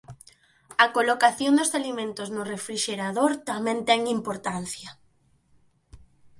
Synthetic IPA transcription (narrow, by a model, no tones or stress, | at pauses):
ɐkolokaθjond̪ʊsalimẽnt̪ʊznʊrefɾiʃeɾaðoɾt̪amɛ̃nt̪ɛŋimpoɾt̪an̟θjɐ